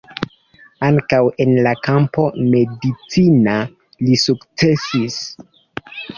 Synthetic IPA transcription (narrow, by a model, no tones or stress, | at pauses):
aŋkawe̞nlakampo̞me̞dit͡sina | lisukt͡se̞sis